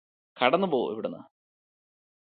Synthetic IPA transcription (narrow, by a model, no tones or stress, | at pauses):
kʰɐɽɐnːubo̞ːḭʋiɽenːa̰